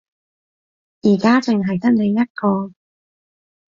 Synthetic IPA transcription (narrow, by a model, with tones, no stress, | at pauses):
jiː˨˩kaː˥t͡sɪ˨ŋɦɐ˨jt̪ɐ˥k̚ne˨˧jjɐ˥t̚kɔː˧